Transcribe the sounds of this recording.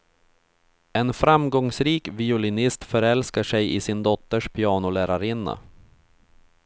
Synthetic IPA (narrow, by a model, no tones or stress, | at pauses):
ɛnfɾamɡɔŋsɾiːkvɪʊlɪnɪst̪fœɾɛlskaʂɛjɪsɪnd̪ɔt̪ːəʂpʰɪɑːnʊlæːɾaɾɪnːa̰